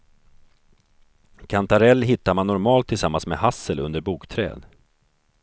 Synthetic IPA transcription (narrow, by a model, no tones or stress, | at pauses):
kʰant̪aɾɛlːɦɪt̪ːamanːɔɾmɑːlt̪ʰːɪlsamːansmḛhasəlɵ̰nd̪əɾbuːkt̪ʰɾɛ̰ːd̪